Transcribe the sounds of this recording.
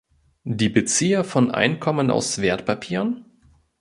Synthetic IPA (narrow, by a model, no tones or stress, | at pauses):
diːbət͡siːɐfɔnʔa̰ɪnkʰɔməna̰ʊsv̥eːɐtpʰapʰiːʁn